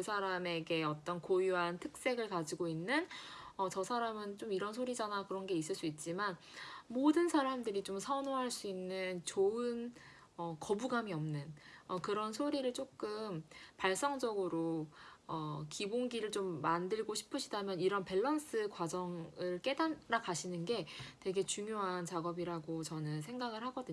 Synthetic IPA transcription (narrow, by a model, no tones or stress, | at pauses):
kɯsʰaɾame̞ɡe̞ʌt͈ʌnkojuɦantʰɯk̚s͈e̞ɡɯɭkad͡ʑiɡoinːɯnʌt͡ɕʌsʰaɾamɯnt͡ɕomiɾʌnsʰoɾid͡ʑanakɯɾʌnɡe̞is̬͈ɯɭs͈uit̚t͡ɕ͈iman | modɯnsʰaɾamdɯɾit͡ɕomsʰʌnoɦaɭs͈uinːɯnt͡ɕoɯn | ʌkʌbuɡamiʌmnɯnʌkɯɾʌnsʰoɾiɾɯɭt͡ɕ͈ok͈ɯmpaɭs͈ʌŋd͡ʑʌɡɯɾoʌkiboŋɡiɾɯɭt͡ɕomːandɯɭɡoɕʰi̥pʰɯɕʰidamjʌniɾʌnpe̞ɭːʌns͈ɯkwad͡ʑʌŋɯɭk͈e̞danɾakaɕʰinɯnɡe̞twe̞ɡe̞t͡ɕuŋjoɦant͡ɕaɡʌbiɾaɡot͡ɕʌnɯnsʰe̞ŋɡaɡɯɭɦhaɡʌdɯɲ